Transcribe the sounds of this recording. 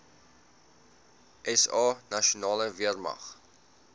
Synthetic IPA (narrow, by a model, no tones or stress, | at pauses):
ʔɛsɑːnɐʃiunɑːləviərmɐ̰χ